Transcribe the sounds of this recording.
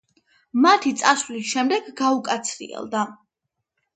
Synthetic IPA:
mat̪ʰit̪sʼasvlisʃɛmd̪ɛɡɡaukʼat̪sʰɾḭɛ̰lˠd̪a

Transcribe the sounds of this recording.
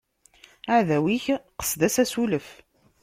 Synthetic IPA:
aʕðæwiçqə̥sd̪æsæsuləf

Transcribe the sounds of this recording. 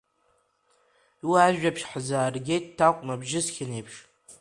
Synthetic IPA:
iwaːʒᶣʷapʃħəzaːrɡʲejtʼtʰːaqʷʼmabʒɪsxʲɪneːpʰʃ

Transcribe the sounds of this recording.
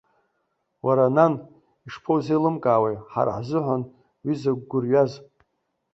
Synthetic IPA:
wʔaɾanan | iʂpʰowzejlɨmkʼaːwejħa̰ɾa̰ħzɨħʷan | wizaɡ̚ʷɡʷʊrɥaz

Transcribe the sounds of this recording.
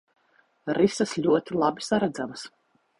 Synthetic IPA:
ɾisɐslʲuɔt̪ilˠabisaɾad̪zamɐs

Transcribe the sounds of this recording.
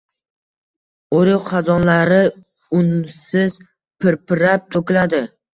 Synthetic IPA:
oɾɪqʰɑzɒnlaɾɪ | ʊnsɪz̥ | pʰɪɾpɪɾap̚t̪ʰokʲlad̪ɪ

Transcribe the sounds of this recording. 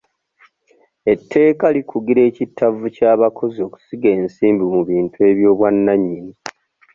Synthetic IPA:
e̞tʰːe̞ːkalikʰuɡiɾe̞ːcitːavucaːβakʰo̞zio̞ku̥siɡe̞ːnsiːmbimuβiːntue̞ːβjo̞ːβwanːaɲːini

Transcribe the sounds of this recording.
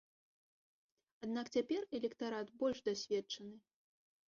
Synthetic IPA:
ad̪nakt͡sʲapʲɛrɛlʲɛkt̪aɾat̪bɔlʲʐd̪asʲvʲɛt͡ʂɐnɨ

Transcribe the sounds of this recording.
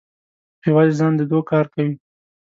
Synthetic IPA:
hewɑd̪ezɑnd̪əd̪okɑɾkawi

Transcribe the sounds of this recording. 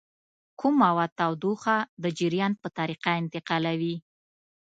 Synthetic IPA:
kʰumawat̪awd̪uxad̪əd͡ʒɪɾjɑnpət̪aɾiqaɪnt̪ɪqɑlawi

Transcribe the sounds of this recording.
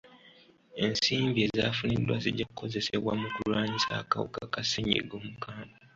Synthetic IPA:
e̞nsiːmbie̞zafunidwa̰ziɟakukʰo̞ze̞sḛβwa̰mukulwaːɲisa̰ːkawṵkakaseɲḛɡoːmukaːnda

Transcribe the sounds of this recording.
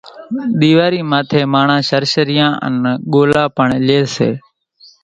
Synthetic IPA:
ɗ̪iːʋaːɾiːmaːt̪ʰeːmaːɳãːʃəɾʃəɾɪjãːʔə̰nɠoːlaːpəɳleːsḛː

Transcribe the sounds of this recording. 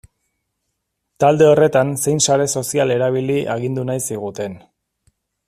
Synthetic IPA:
t̪ald̪e̞o̞re̞t̪anse̞jnsaɾe̞so̞siale̞ɾaβ̞iliʔaɣ̞ind̪unajsiɣ̞ut̪e̞n

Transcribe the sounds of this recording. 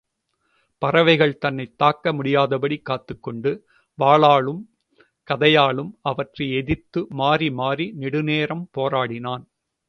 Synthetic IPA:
pɐɾɐʋɐɪɣɐɭt̪ɐnːɐɪt̪ːaːkːɐmʊɽɪjaːðɐpɐɽikːaːt̪ːɯkːɔɳɖɯ | ʋaːɭaːɭɯm | kɐðɐjaːɭɯmʔɐʋɐʈrɐɪɛðɪt̪ːɯmaːɾimaːɾinɪɽɯneːɾɐmpoːɾaːɽɪnaːn

